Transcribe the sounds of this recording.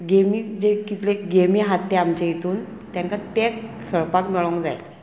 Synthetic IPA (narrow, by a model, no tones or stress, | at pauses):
ɡemiːd͡ʑekit̪leɡemiɦat̪ːeamt͡ɕejet̪uːn | t̪jaŋkat̪ekʰəɭpakmɛɭoŋd͡za̰j